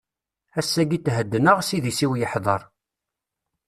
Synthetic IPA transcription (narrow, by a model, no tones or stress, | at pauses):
æsːæɡit̪ːɦəd̪ːənəʁsiðisiwjəħðˤɑɾˤ